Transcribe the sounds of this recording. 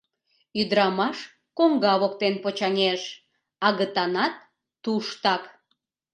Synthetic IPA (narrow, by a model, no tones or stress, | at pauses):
yd̪əɾɑmɑʃ | koŋɡɑβokt̪enpot͡ɕɑnʲeʃ | ɑɣət̪ɑnɑt̪̚ː | uʃt̪ɑk